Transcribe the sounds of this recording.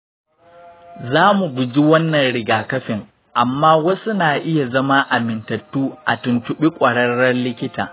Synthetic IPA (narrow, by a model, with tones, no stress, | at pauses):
zaː˦mu˨ɡʷʊ˨d͡ʒi˦wɐ˦nːɐ˨nɽɪ˨ɡaː˨kɐ˦ɸɪ˨ŋ | ʔa˨mːaː˦wɐ˦su˦naː˨ʔɪ˦ja˨zɐ˦ma˦ʔa˨mɪ˨ntɐ˨tːuː˦ʔa̰˨tʊ˨nt͡ʃʊ˨ɓi˦kʷʼɐ˨ɽɐ˦ɽːɐ˦rlɪ˦kʲɪ˦ta̰ː˨